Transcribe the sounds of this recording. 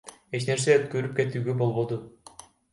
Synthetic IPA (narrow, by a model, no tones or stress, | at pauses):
e̞t͡ʃne̞ɾs̬eøt̪køɾyp̚ke̞t̪yːɡøbo̞lˠβo̞d̪u